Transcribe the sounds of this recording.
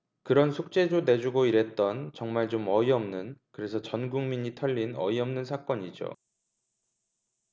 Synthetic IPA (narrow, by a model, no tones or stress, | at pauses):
kɯɾʌnsʰuk̚t͡ɕ͈e̞done̞d͡ʑuɡoiɾe̞t̚t͈ʌnt͡ɕʌŋmaɭt͡ɕomʌiʌmnɯnkɯɾe̞sʰʌt͡ɕʌnɡuŋmiɲitʰʌʎːinʌ̰iʌmnɯnsʰak͈ʌɲid͡ʑo̰